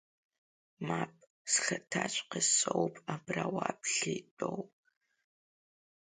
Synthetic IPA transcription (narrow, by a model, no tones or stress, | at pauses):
maːp̚ʼ | sxɐtʰaːt͡ʃʷʼqəsʼowpʰʼabraːwaːpɬiːtʼow